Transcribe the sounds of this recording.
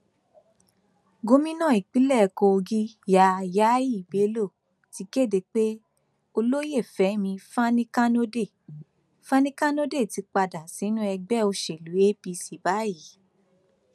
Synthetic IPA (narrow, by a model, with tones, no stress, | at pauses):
ɡo˦mĩ˦nã˦˨i˨k͡pi˨˦lɛ˦˨ko˧ɡi˦ja˧˨ja˦ji˦˨be˨˦lo˦˨ | ti˨˦ke˦˨de˧˨k͡pe˦ | o˧lo˦je˦˨fɛ˨˦mĩ˧fa˦nĩ˦ka˦no˦de˦˨ | fã˦nĩ˦ka˦no˦de˦˨ti˨˧˦k͡pa˧da˨si˨˦nũ˦ɛ˧ɡ͡bɛ˦o˧ʃe˨lu˨˦e˦pi˧si˨ba˨˦i˨˦